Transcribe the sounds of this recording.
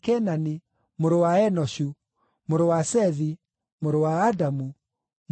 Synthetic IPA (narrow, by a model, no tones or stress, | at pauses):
kɛnani | moɾowaɛnɔɕu | moɾowasɛði | moɾowaːdamu | m